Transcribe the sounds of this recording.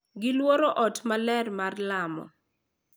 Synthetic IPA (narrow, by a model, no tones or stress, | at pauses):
ɡɪlwoɾɔʔɔtmalɛrmarlamɔ̰